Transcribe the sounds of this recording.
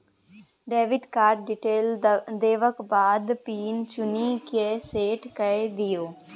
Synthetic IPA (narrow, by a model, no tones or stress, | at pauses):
ɖeːʋɪɖkaːɾʈ̚ɖiʈeːld̪eːʋəkbaːd̪piːnt͡ʃʊnikeseːʈkəed̪ɪjoː